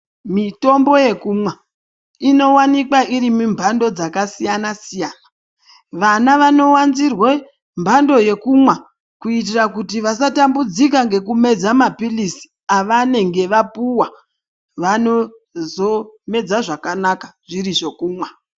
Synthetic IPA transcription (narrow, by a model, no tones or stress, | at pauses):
mito̞mbo̞je̞kumwa | ino̞wanikwaʔiɾimumbʱando̞d͡zakasijanasijaːna | ʋanaʋano̞wanzirwe | mbʱando̞je̞kumwa | kuit̬irakutiʋas̬atambud͡zik̬aŋɡe̞k̬ume̞d͡zamapilisi̥ | aʋane̞ŋɡe̞ʋapuwa | ʋano̞ | zo̞me̞d͡zaʐakanakaʐ̥iriʐo̞kuːmwa